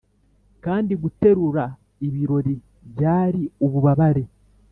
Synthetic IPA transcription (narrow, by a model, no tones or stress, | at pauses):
kaːndiɡute̞ɾuɾa | iβiɾo̞ɾi | βjaːɾio̞βuβaβaɾe̞